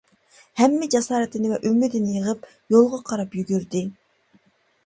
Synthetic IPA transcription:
hɛmːɪd͡ʒɑsɑːɾɪt̪ɪnɪvɛʔymːɪd̪ɪnɪjəʁəp | jolˠʁɑqʰɑɾɑpjyɡʲyɾd̪ɪ

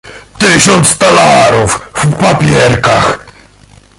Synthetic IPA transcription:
t̪ɪɕɔnt̪st̪alaɾufvpapʲjɛɾkax

